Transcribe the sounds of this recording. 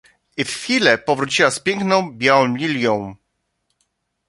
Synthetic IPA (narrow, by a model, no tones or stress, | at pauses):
iffʲilɛpɔvɾut͡ɕiwaspʲjɛŋknɔ̃w̃bʲjawɔ̃lʲilʲjɔ̃w̃